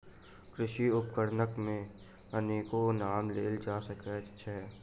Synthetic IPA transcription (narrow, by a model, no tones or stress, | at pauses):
kɾɪʃiʊpkəɾnəkmẽ | əneːkonaːmleːld͡ʒaːsəkɛʃʰɛ